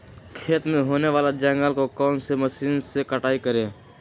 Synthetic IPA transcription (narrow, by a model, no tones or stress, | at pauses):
kʰeːt̪mẽɦoːneʋaːlad͡ʒə̃ŋɡəlkokɔːnseməʃiːnsekəʈaːikəɾẽː